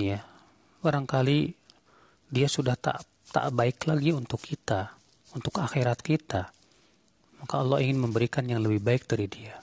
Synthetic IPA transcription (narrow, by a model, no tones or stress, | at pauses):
ja | baɾaŋkali | diasudaht̪a̰ʔ | t̪a̰ʔbaɪklaɡiunt̪ʊkʰːit̪a | unt̪ʊkaxeɾat̪̚kit̪a | makaɔlːɔhiŋɪnməmbəɾikanjaŋləbɪhbaɪk̚daɾidia